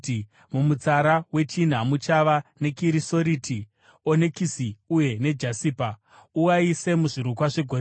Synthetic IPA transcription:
mumut͡saɾawe̞t͡ʃin̤amut͡ʃaʋane̞kiɾiso̞ɾiːtʰi | one̞kisiuje̞ne̞d͡ʒasiːpa | uwaise̞muʐiɾukwaʐe̞ɡʱo̞ɾ

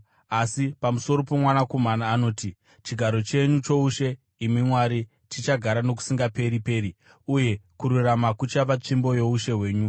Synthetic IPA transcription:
asipamuso̞ɾo̞pomwanakomanaːno̞ːti | t͡ʃiɡʱaɾo̞t͡ʃe̞ɲut͡ʃo̞uʃe̞ | imimwaɾi | tit͡ʃaɡʱaɾano̞ku̥siŋɡape̞ɾipe̞ːɾi | uje̞kuɾuramakut͡ʃapat͡ʂimbo̞jouʃe̞ɦwe̞ːɲu

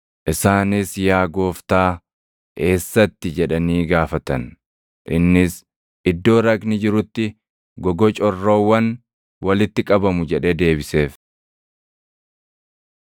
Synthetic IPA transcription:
ʔɪsaːnɪsjaːɡo̞ːft̪aː | ke̞ːsːɐt̪ːɪd͡ʒɛᶑɐniːɡaːfɐt̪ɐn | ʔɪnːɪs | ɪd̪ːo̞ːɾɐknɪd͡ʒɪɾʊt̪ːɪ | ɡɔɡɔt͡ʃʼɔrːowːɐn | wɐlɪt̪ːɪkʼɐbɐmʊd͡ʒɛᶑed̪e̞ːbɪse̞ːf

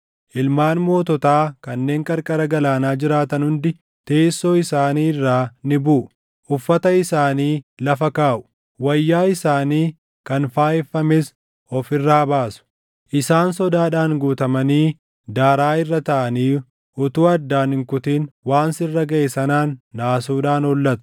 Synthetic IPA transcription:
ʔɪlmaːnmo̞ːt̪ɔt̪aːkɐnːe̞ːŋkʼɐɾkʼɐɾɐɡɐlaːnaːd͡ʒɪɾaːt̪ɐnhʊnd̪ɪ | t̪e̞ːsːoːɪsaːniːrːaːnɪbuː | ʔʊfːɐt̪ɐɪsaːniːlɐfɐkaːʔʊ̥ | wɐjːaːɪsaːniː | kɐnfaːɛfːɐmɛs | ɔfɪrːaːɐbaːsʊ̥ | ʔɪsaːnsɔd̪aːᶑaːŋɡuːt̪ɐmɐniː | d̪aːɾaːɪrːɐt̪ɐʔɐniː | ʔʊt̪uːɐd̪ːaːnɪŋkʊt̪iːnwaːnsɪrːɐɡɐʔeːsɐnaːnːaːsuːᶑaːnɔlːɐt̪ʊ̥

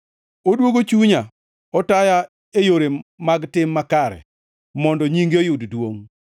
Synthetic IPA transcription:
odwoɡot͡ʃuɲa | ɔtaja | ejoɾemaɡtɪmːakaɾɛ̰ | mɔndɔɲiŋɡejʊddwoŋ

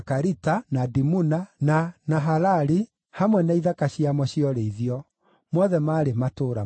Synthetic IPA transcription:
kaɾitanadimunananaɦalaɾi | hamwɛnaiðakaɕiamɔɕiɔɾeiðiɔ | mɔðɛmaːɾematoːɾa

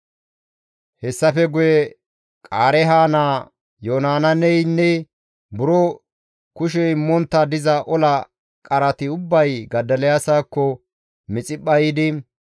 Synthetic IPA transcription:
hɛsːɐfɛɡʊjɛ | kʼaːɾɛɦaːnaː | joːnaːnɐnɛjnːɛ | bʊɾɔ | kʊʃ̬ɛɪmːɔnt̪ːɐd̪ɪzɐʔɔlɐ | kʼɐɾɐt̪ɪʊbːɐjɡɐd̪ɐlɛjasaːkːɔ | mɪt͡sʼɪpːɐjɪd̪ɪ

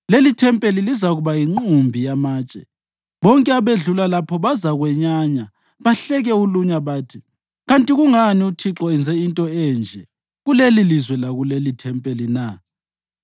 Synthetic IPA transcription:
lelitʰɛmpʼelilizaɣuβajiŋ͡ǃumbʱijamaːt͡ʃʼɛ | βɔŋkʼɛaβeɮulalapʰɔβazaɣwɛɲaɲa | βaɬɛɣɛuluɲaβaːtʰi | ɣantʼiɣuŋaniutʰiǁɔɛnd͡zʱɛintʼɔɛːnd͡ʒʱɛ | ɣulelilizwɛlaɣulelitʰɛmpʼelina

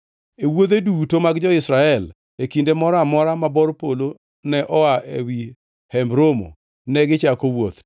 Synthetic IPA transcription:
ewod̪edutomaɡd͡ʒɔɪsɾaɛl | ekindemɔɾamɔɾamabɔɾpolo | nɛʔɔaʔewi | hɛmbɾomo̰ | nɛɡɪt͡ʃakowot̪

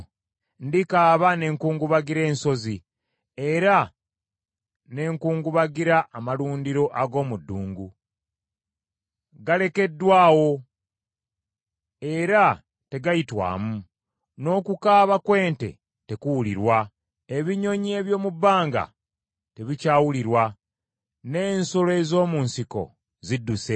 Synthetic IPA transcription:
ndikaːβane̞ːŋkuːŋɡuβaɡiɾe̞ːnso̞zi | e̞ɾa | ne̞ːŋkuːŋɡuβaɡiɾaʔːmaluːndiɾo̞ʔaɡo̞ːmudːuːŋɡu | ɡale̞ke̞dːwaːwo̞ | e̞ɾa | te̞ɡajitwa̰ːmu | no̞ːkukaːβakwe̞ːnte̞̰ | te̞kuwuliɾwa | e̞βiɲo̞ɲie̞βjo̞ːmubːaːŋɡa̰ | te̞βicaːwuliɾwa | ne̞ːnso̞loe̞zo̞ːmunsiko̞̰ | zidːuse̞

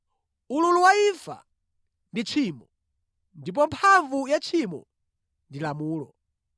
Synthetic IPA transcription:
ululuwaifa̰ | ndit͡ʃʰimɔ | ndip̬ɔmpʰaɱvujat͡ʃʰimɔ̰ | ndilamuːlɔ̰

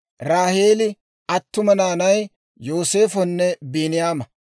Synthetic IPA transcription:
ɾaːheːlɪ | ʔɐt̪ːʊmɐnaːnɐj | jo̞ːse̞ːfɔnːɛbeːnɪjaːmɐ

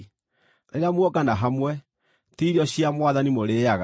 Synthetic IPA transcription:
ɾeɾeamwɔkanaɦamwɛ | tiɾiɔɕiamwaðanimoɾeːjaɣa

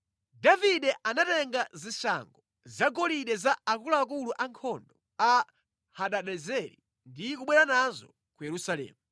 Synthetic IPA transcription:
daviɗɛʔanatɛŋɡazisa̰ŋɡɔ | zaɡɔliɗɛzaakulaːk̬uluʔaŋkʰɔndɔ | a | haɗaɗɛzɛɾḭ | ndikuɓwɛɾanazɔ̰ | kujɛɾusalɛ̰ːmu

